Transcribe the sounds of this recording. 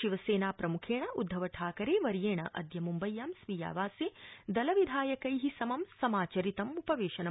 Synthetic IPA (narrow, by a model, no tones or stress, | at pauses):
ʃiʋɐseːnaːpɾɐmukʰeːɳɐʔud̪ʱːɐʋɐʈʰaːkɐɾeːʋɐɾjeːɳɐ̰ʔɐ̰d̪ʱjɐmumbɐjːaːmsʋija̰ːʋaːseːd̪ɐlɐʋid̪ʱaːjɐkɐjɦisɐmɐmsɐmaːt͡ʃɐɾit̪ɐmupɐʋeːʃɐnɐ